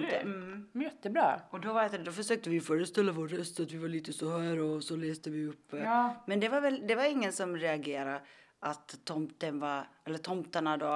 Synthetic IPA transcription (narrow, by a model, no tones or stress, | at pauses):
jɛt̪ːəbɾɑ̰ːɔd̪ɔvaɾt̪d̪ɔfœʂøːk̚t̪əvɪjfœːɾəst̪ɛlːavoːɾːœst̪at̪vɪvaɭiːt̪əsɔhæːɾɔsɔleːsd̪əvɪɵpːəmɛnd̪ɛvaɾvɛld̪ɛvaɾɪŋːənsɔmɾɛaɡeːɾaɾ | ʔat̪ʰːɔmt̪ənvaɛlːət̪ʰɔmt̪aɳad̪o